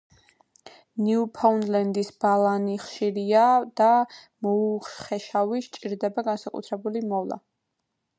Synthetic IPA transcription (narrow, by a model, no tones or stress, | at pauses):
niupʰaunlɛnd̪isb̥alˠaniχʃiɾiad̪̥a | mɔuχɛʃaviʃt͡ʃʼiɾd̪ɛbaɡansakʼṵt̪ʰɾɛbulimɔvlˠa̰